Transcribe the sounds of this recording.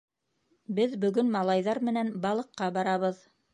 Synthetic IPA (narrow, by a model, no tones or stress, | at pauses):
bɘðbɵ̆ɡɵnmɑlˠɑjðɑɾmɘ̆nænbɑlˠɤ̆qːɑbɑɾɑβɤð